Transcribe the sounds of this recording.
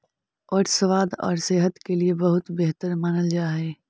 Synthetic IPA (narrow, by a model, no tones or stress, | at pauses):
ɔːɾsəʋaːd̪ɔ̰ːɾseːɦət̪keliebɐɦʊt̪beɦt̪əɾmaːnəld͡ʒaːɦeː